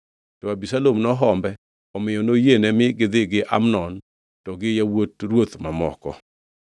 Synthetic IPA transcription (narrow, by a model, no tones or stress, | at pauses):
tɔabisalomnɔɦɔmbɛ | ɔmɪjɔnojenɛmɪɡɪd̪ɪɡɪʔa̰mnɔn | tɔɡɪjawotɾwot̪mamɔ̰kɔ̰